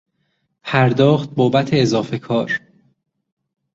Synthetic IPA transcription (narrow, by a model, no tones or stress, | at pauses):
pʰæɾd̪ɒːxt̪̚boːbæt̪ʰeːzɒːfe̞kʰɒːɾ